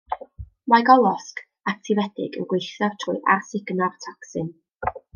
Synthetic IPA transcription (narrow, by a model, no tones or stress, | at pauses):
majɡɔlˠɔsk | atʰɪvɛd̥ɪ̰ɡə̰nɡwejθjɔr̥tʰrʊɨʔa̰rsɪɡ̥nartʰɔksɪn